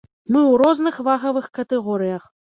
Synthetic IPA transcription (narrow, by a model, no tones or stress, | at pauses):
mɨwɾɔznɨxvaɣɐvɨxkɐt̪ɛɣɔɾɨjɐx